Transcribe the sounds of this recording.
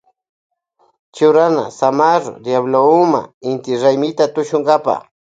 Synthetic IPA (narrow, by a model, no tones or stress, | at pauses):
t͡ʃʊɾana̰samaɾo̰d̪jaβloʊma̰ɪnt̪ɪɾajmɪt̪at̪ʊʃʊŋɡapa̰